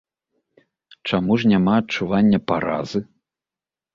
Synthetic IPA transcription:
t͡ʂamuʂnʲamaɐt͡ʂːuvanʲːɐpaɾa̰zɨ

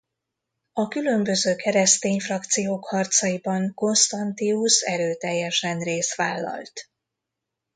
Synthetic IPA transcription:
ɒkylø̞mbø̞zøːkɛɾɛst̪eːɲfrɒkt̪sijoːkhɒrt̪sɒjibɒŋko̞nst̪ɒnt̪iusɛɾøːt̪ɛjːɛʃɛnreːst̪ʋaːlːɒ̰lt̪

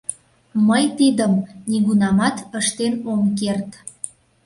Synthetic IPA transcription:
məjt̪id̪əmniɣunɑmɑt̪əʃt̪enomkert̪

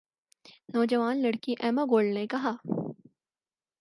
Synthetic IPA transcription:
nɔːd͡ʒɐʋaːnlɐɽkiʔɛːmaɡoːɭɖnekɐɦaː

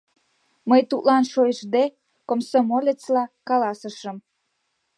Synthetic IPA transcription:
məjt̪ut̪lɑnʃojəʃd̪e | komsomolʲet͡slɑkɑlɑsəʃəm

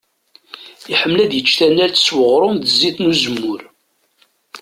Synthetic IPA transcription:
iħəmːlæðjət͡ʃːθænːælθswəʁɾˤʊmðəzːiθnuzəmːʊɾ

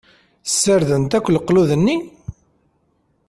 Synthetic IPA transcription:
sːəɾðənt̪ækʷːləqːluðənːi

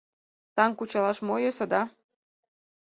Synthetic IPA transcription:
t̪ɑŋkut͡ɕɑlɑʃmojosɤ̆d̪ɑ

